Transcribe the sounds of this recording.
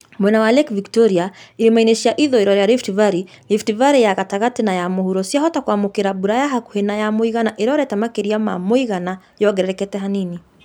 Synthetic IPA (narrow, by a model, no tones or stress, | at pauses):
mwɛnawalɛkviktɔɾiailimainɛʃiaʔiðɔɛɾɔɾɛjaɾiftivaɾi | liftivaɾijaɣataɣatinajamɔhuɾɔsiaɦɔtakwamukeɾabuɾajaɦakuhenajamoiɣanaʔiɾɔɾɛtamakeɾiama̰moiɣana | jɔɡɛɾɛɾɛkɛtɛɦanini